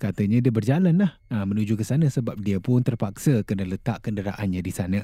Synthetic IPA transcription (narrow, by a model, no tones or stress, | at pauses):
kat̪əɲãdiəbərd͡ʒalanlah | əmənud͡ʒukəsanə̃səbap̚diəpʊnt̪ərpaksəkənələt̪aʔkəndəɾaʔanɲãdisanã